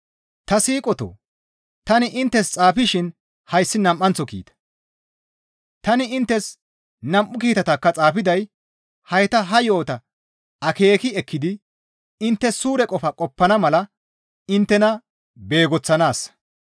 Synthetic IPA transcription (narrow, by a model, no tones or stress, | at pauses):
t̪ɐsiːkʼɔt̪o̰ː | t̪ɐnɪʔɪnt̪ːɛst͡sʼaːfɪʃɪn | hɐjsːɪnɐmʔːɐnt͡sːɔkḭːt̪ɐ̥ | t̪ɐnɪɪnt̪ːɛs | nɐmʔʊkiːt̪ɐt̪ɐkːɐt͡sʼaːfɪd̪ɐj | hɐjt̪ɐɦɐjo̞ːt̪ɐ | ɐke̞ːkɪɛkʰːɪd̪ɪ | ɪnt̪ːɛssuːɾɛkʼɔfɐkʼɔpːɐnɐmɐlɐ | ɪnt̪ːɛnɐ | be̞ːɡɔt͡sːɐnaːs